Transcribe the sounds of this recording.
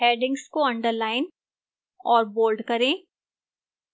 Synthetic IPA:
ɦeːɖɪ̃ŋɡskoɐ̃ɳɖəɾlaːɪn | ɔːɾboːlɖkɐɾẽː

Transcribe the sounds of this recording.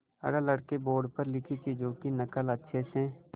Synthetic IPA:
ɐ̰ɽaləɽkeboːɾɖpəɾlɪkʰit͡ʃʰid͡ʒoːkinəkələtːʃʰesẽː

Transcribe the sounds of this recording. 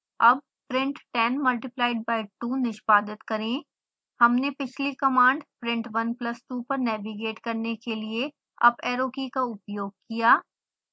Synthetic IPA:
ɐb̚ | pɾɪ̃ɳʈʈɛnmɐlʈɪplaːɪɖ̚baːɪʈːuːnɪʃpaːd̪ɪt̪kɐɾẽː | hɐmnepɪt͡ʃʰlikɐmãːɳɖpɾɪ̃ɳʈʋɐnplɐsʈuːpɐɾnɛːʋiɡeːʈkɐɾnekelie | ɐ̰bɛːɾoːkikaʊpjoːɡ̚kijaː

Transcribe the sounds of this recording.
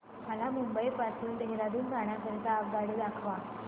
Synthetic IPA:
məlamumbəipasuːnd̪eɦeɾad̪uːnɡaɳ̃jasəɾk̪aːp̚ɡaɽid̪akʰʋa

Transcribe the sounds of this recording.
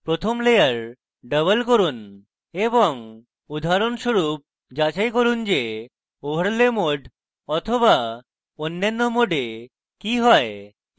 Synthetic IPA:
pɾot̪ʰomlejaɾ | ɖəβəlkoɾun | eboŋ | ud̪ʱaɾonʃoɾup̚ | d͡ʑat͡ɕajkoɾund͡ʑe | obʱəɾlemoɖʱ | ɔt̪ʰoba | onːanːomoɖe | kiɦɔe

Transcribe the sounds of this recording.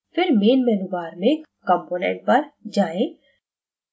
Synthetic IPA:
fʰɪɾmeːnmɛːnuʋaːɾmẽkɐ̃mpoːnɛ̰̃ɳʈ̚pɐɾd͡ʒaːẽ

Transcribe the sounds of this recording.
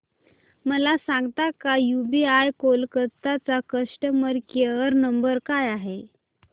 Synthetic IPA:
məlasãŋɡt̪akajubiajkolkət̪at͡sakəsʈəməɾkeəɾnəmbəɾkajaɦe

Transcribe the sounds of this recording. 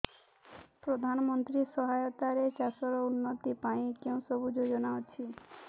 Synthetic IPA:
pɾod̪ʱanɔmɔnt̪ɾisɔɦajɔt̪aɾet͡ʃasɔɾɔunːɔt̪ipaĩkeũsɔbud͡ʒod͡ʒɔnaot͡ʃʰi

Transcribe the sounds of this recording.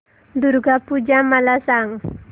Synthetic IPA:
d̪urɡapud͡ʒamalasaŋ

